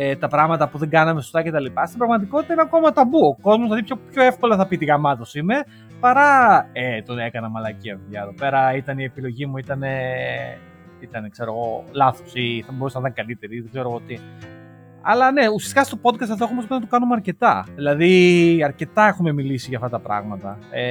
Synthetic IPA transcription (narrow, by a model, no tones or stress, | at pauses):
et̪ɐpɾɐɣmɐt̪ɐpuðe̞ɡɐnɐmesost̪ɐce̞t̪ɐlipɐst̪ibɾɐɣmɐt̪iko̞t̪it̪ɐinɐko̞mɐt̪ɐbuoko̞zmozðlɐðipçopço̞e̞fko̞lɐθɐpit̪iɣɐmɐðo̞sime̞ | pɐɾɐet̪one̞kɐnɐmɐlɐciɐvuʎɐeðo̞pe̞ɾɐit̪ɐnie̞pilo̞ʝimuit̪ɐne̞ | it̪ɐne̞kse̞ɾo̞ɣo̞lɐθosiθɐbousɐnɐt̪ɐnkɐlit̪e̞ɾiðeɡze̞ɾo̞ot̪i | ɐ̰lɐne̞usiɐst̪ikɐst̪o̞po̞d̪̚kɐst̪ɐft̪oomos̬pnɐt̪okɐnumeɐɾce̞t̪ɐðilɐðiɐɾce̞t̪ɐexume̞milisiʝɐft̪ɐt̪ɐpɾɐ̰ɣmɐt̪ɐe